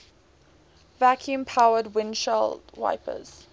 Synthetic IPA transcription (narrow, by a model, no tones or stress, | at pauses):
vækʰjũmpʰaʊədwɪ̃nʃɛldwa̰ɪpʰə̰z̥